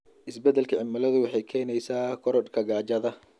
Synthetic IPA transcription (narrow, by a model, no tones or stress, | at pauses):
ʔɪsbɛd̪ɛlkʰɐʕɪmɐlɐðʊwɑħɑjkʰɛːjnɛjsaːkʰɔɾɔdkʰɐɡaːd͡ʒɐðɐ